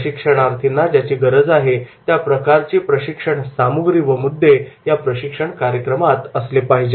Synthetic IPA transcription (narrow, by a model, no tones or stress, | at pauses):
ɕikʂəɽ̃aɾt̪ʰinːad͡ʑjat͡ɕiːɡəɾəd͡zaɦet̪japɾəkaɾt͡ɕepɾəɕikʂəɳsamuɡɾiʋəmud̪ʱːejapɾəɕikʂəɳkaɾjəkɾəmat̪əslepaɦid͡ʑe